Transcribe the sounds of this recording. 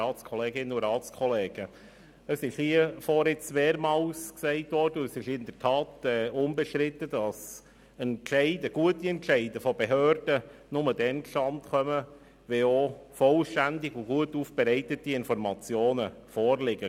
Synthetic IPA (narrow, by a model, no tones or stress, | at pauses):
ɑːskʰɔleːɡɪnəʊɾɑːt͡skʰɔlɛːɡ̥ə | əsɪʃhiəfɔɾɪt͡smeːɾmɑːlsksɛɪtʋɔːrdəəsɪʃɪnd̥̪əɾtʰɑːtɛːʊmbəʃtɾɪtəd̥ɑs | ɛntʃɛɪdəɡ̥uətiɛntʃɛɪdəfɔbeɦøːrd̥ənʊmədɛnʃɑntχœmə | ʋeofɔlʃtændɪɡuɡ̥uətuːfb̥ɛɾɛɪtətiɪnfɔɾmɑt͡sjoːnəfɔːɾlɪɡ̥ə